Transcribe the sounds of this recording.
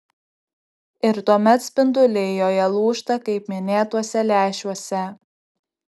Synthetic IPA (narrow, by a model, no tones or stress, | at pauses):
ɪɾt̪uɔmʲɛt̪sʲpʲɪnd̪ʊlʲejoːjɛlˠuːʃt̪ɐkɐɪpmʲɪnʲeːt̪uɔsʲɛlʲæːʃʲuɔsʲɛ